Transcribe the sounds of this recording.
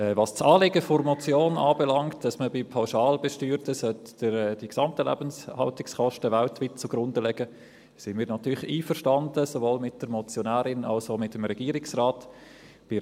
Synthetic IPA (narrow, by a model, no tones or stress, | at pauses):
ɛvɑst͡sɑːlɪɡəfoɾmɔt͡sjoːnɑːbɛlɑŋktd̥ɑsməbɪpʰaʊʃɑːlbɛʃtyːɾtəsœt | əd̥iksɑmtəlæ̰bənshɑltɪkskɔʃtəʋæltʋiːt̚t͡sʊɡ̥ɾʊndəlɛɡ̥ə | sɪnmiːɾnɑtyːɾliːfəɾʃtɑndəsovoːlmɪt̚d̥əɾmɔt͡sjonæːɾɪnɑ̰lsomɪtəmɾɛɡ̥iːɾɪksraːt | b̥ɪ